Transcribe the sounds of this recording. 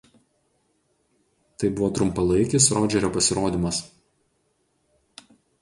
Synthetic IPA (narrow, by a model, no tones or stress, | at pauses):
t̪ɐɪbʊʋɔːt̪ɾʊmpɐlˠɐɪkʲɪsɾoːd͡ʒʲɛɾʲoːpɐsʲɪɾoːd̪ʲɪmɐs